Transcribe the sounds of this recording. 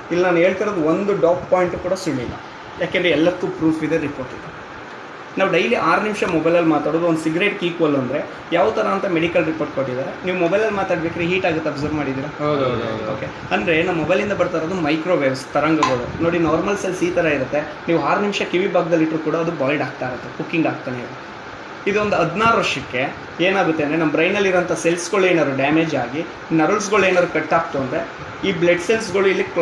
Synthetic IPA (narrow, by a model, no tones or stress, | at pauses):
ilːnaːnue̞ːɭt̪iɾoːd̪uond̪uɖaːppaːjiɳʈukuːɽɐsumːilːɐ̰ | jaːkeːnd̪ɾeɛlːɐk̪ːupɾuːfʰid̪eɾipo̞ːɾʈid̪e | naːʋuɖɐjliʔaːɾnimʂɐmɔbɐjlɐlmaːt̪aːɽoːd̪uond̪siɡɾeʈkiːkuɐlːuɐnd̪ɾe̞ | jaːʋt̪ɐɾɐːnt̪ɐmeɽikɐlɾipoɾʈ̚koʈːid̪aːɾeniːʋumɔbɐjlɐlːmaːt̪aːɽiʋjaːkːɾeɦiːʈaːɡut̪ːeɐbzɐɾʋmaːɽid̪iːɾaɦad̪ɐd̪ɐd̪oːke | ɐnd̪ɾe̞nɐmːɔbɐjlind̪ɐbɐɾt̪aːɾod̪umɐjkɾo̞ʋeːbst̪ɐɾɐŋɡɐɡɐɭṵno̞ːɽinaːɾmɐlselsiːt̪ɐɾɐiɾut̪ːe̞ | niːʋuɦaːɾnimʃɐkiʋibʱaːɡɐd̪ɐlːiʈɾukuːɽɐːd̪ubaːlɖaːɡ̚t̪aːjɾɐt̪ːekukːiŋɡaːɡ̚t̪aːneiɾu | id̪uond̪uɐd̪naːɾɐʂɐkːe̞ | eːnaːɡut̪ːe̞ɐnd̪ɾenɐmːɐbɾɐjnɐlːiɾɐnt̪ʰɐselsɡoɭeːnaːɾuɖaːmeːd͡ʒaːɡi | nɐɾuls̬ɡoɭenaːɾukeʈːaːk̚t̪uɐnd̪ɾe | iːbleɖselsɡɐɭuilːik